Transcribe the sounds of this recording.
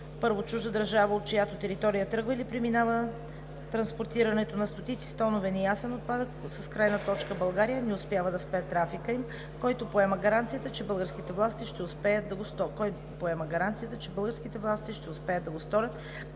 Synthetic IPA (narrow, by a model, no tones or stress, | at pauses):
pɤɾvot͡ʃuʒd̪əd̪ɐɾʒavəot̪̚kojat̪ot̪ɛɾit̪ɔɾijət̪ɾɤɡvəilipɾɛminavə | t̪ɾɐnspoɾt̪iɾɐnɛt̪onɐst̪ot̪it̪si̥st̪ɔnovɛnɛjasɛnot̪̚pad̪əksəskɾajnət̪ɔt͡ʃkəbɐlˠɡaɾijənɛʊspʲjavəd̪ɐspɛt̪ːɾafikəim | kɔjt̪opoɛməɡɐɾant̪sijət̪ət͡ʃɛbɤlˠɡəɾsk̟it̪ɛvlˠast̪iʃt̪ɛʊspɛjəd̪d̪ɐɡost̪ɔkɔj | poɛməɡɐɾant̪sijət̪ət͡ʃɛbɤlˠɡəɾsk̟it̪ɛvlˠast̪iʃt̪ɛʊspɛjəd̪ɐɡost̪ɔɾʲət̪